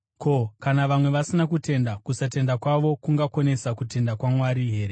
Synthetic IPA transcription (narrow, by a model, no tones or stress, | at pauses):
kʰo̞kanaʋamwe̞ʋasinakute̞ndakusat̬e̞ndakwaʋo̞kuŋɡakone̞sakute̞ndakwamwaɾiɦe̞ːɾe